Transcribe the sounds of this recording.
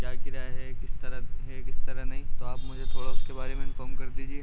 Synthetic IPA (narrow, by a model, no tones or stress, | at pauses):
kjaːkiɾaɦɛkɪst̪ɐɾəɦɛkɪst̪ɐɾənɐɦĩt̪oaːpmʊd͡ʒʱet̪ʰoːɽaʊskebaːɾemẽɪ̃nfɔːmkɐɾd̪iːd͡ʒie